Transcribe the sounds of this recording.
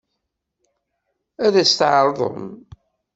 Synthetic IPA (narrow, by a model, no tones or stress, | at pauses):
æðæst̪ʕɾˤðˤə̰m